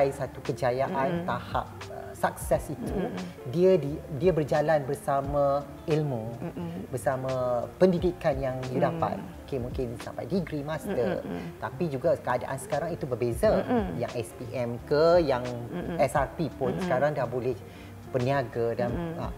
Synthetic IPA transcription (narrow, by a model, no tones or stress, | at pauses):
jsat̪ukəd͡ʒajaʔant̪aha̰p̚əsak̚sɛsit̪udiədidiəbərd͡ʒalanbərsamã | ilmə̃bərsamãpəndidikanjaŋdidapa̰t̪̚okemũŋkɪnsa̰mpa̰jdiɡɾimast̪ərt̪apid͡ʒuɡakəada̰ʔa̰nsə̥kaɾaŋit̪ubərbezaja̰ŋʔɛspiʔɛmkəjaŋɛsarpipʊnsə̥kaɾaŋdahbolɛh | bəniaɡadanə̰